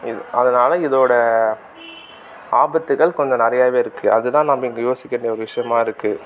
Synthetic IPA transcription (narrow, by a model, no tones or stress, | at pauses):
ɪðʔɐðɐnaːlɐɪðoːɽɐ | aːbɐt̪ːɯɣɐɭkɔɲd͡ʒɐ̃nɪɾɐjaːʋeːɪɾɯkːɯʔɐðɯt̪ãːnɐmːɐɪŋɡɐjoːsɪkʲːɛɳɖjɐɔɾɯʋɪʂɐjɐmaːɪɾɯkːɯ